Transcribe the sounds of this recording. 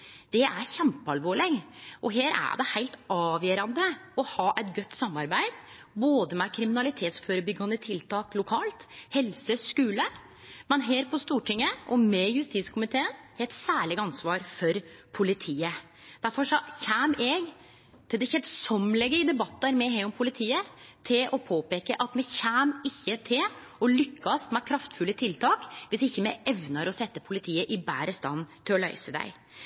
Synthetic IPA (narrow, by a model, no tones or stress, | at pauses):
d̪̥ɛʔæɾçɛmpəɑlʋoːɭɪɡʔɔɦeːɾæ̰ɖɛhæɪlt̪ʔɑːʋjøːɾɑnd̪əɔhɑːʔɛt̪ɡœt̪ːsɑmːɑɾbæɪd̪ | boːd̪əmɛkʰɾɪmɪnɑlɪt̪ʰeːt̪sføːɾəbʏɡːɑnət̪ʰɪlt̪ʰɑːklʊkʰɑːlt̪hɛlsəskʉːlə | mɛnɦeːɾpʰɔst̪uːʈʰɪŋːəʔɔmɛjʉst̪iːt̪skʰʊmɪt̪ʰeːənhɛlt̪sæːɭɪɡɑnsʋɑːɾfɔɾpʰʊlɪt̪ʰiːə | d̪̥æɾfɔʂɔçæːmɛɡ | t̪ʰɪld̪ɛɪçɛsɔmlɛɡːəɾɪd̪ɛbɑt̪ːəɾmɛɦeːɾɔmpʰʊlɪt̪ʰiːət̪ʰɪlʔɔpʰoːpeːkəʔɑt̪mɛçæːmɪçːət̪ʰɪl | ɔlʏkʰːɑsmɛkʰɾɑft̪fʉlːət̪ʰɪlt̪ʰɑːkʋɪsɪçːəmɛɛʋnəɾɔsɛt̪ːəpʰʊlɪt̪ʰiːəʔɪbæːɾəst̪ɑ̰nːt̪ʰɪlɔlœ̰ʏsəd̪æ̰ɪ